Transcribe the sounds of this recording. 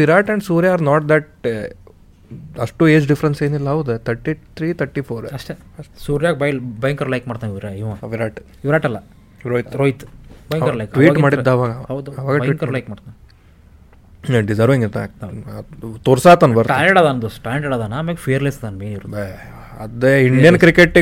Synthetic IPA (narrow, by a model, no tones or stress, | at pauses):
ʋiɾaːʈɛ̃ɳɖsuːɾjaːɾnaːʈ̚d̪ɛʈ | ɐʂʈueːd͡ʒɖifʰɐɾɐnseːnilːɐɦɐwd̪et̪ʰɐɾʈit̪ʰɾiːt̪ʰɐɾʈipʰoːɾɐʂʈe | ɐʂʈsuːɾjaːɡbɐjlbɐjŋkɐɾlɐjkmaːɽt̪aniʋɾeiʋãʋiɾaːʈ | iʋɾaːʈɐlːɐ | ɾoj̪ɾoːjit̪bjkɐɾlɐjkʈʋiːʈmaːɽid̪ːaːʋaːɡɐɐwd̪uɐʋaːɡɐʋiːʈkɐɾlɐjkmaːɖt̪an | ɖid͡ʒɐɾʋiŋɡit̪a | t̪oːɾsaːt̪ɐnbɐɾtaːeɽaːd̪and̪usʈaːɖeɽaːd̪anameːɡpʰijɐɾlesd̪aneːniʋɾ | ɐd̪eiɳɖijɐnkɾikeʈː